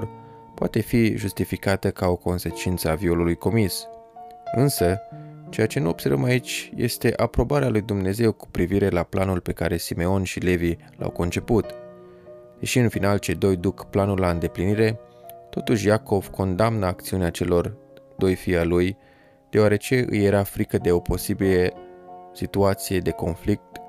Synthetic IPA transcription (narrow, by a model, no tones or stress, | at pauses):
r | poat̪e̞fiʒust̪ifikat̪əkao̞ko̞nse̞t͡ʃint̪səavio̞lulujko̞mis | ɨnsət͡ʃe̞jat͡ʃe̞nuo̞b̥se̞rvə̰mait͡ʃʲje̞̰st̪e̞ʔapɾo̞baɾealujd̪umne̞ze̞wku̥pɾiviɾe̞laplanulpe̞ka̰ɾe̞sime̞o̞nʃile̞vi | la̰wko̞nt͡ʃe̞put̪ | d̪̥e̞ʃiɨnfinalt͡ʃe̞d̪o̞jd̪ukplanullaɨnd̪e̞pliniɾe̞t̪o̞t̪uʃʲjako̞v̥kʰo̞nd̪amnəakt̪siuneat͡ʃe̞lo̞r | d̪̥o̞jfialuj | d̪̥e̞oaɾe̞t͡ʃe̞ʔɨ̰je̞ɾafɾikəd̪e̞o̞po̞sibilesit̪uat̪sije̞d̪e̞ko̞nflik̚t̪